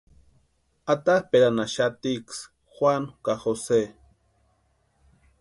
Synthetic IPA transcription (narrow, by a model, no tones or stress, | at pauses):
at̪ahpeɾanaʃat̪iks | xwankaxose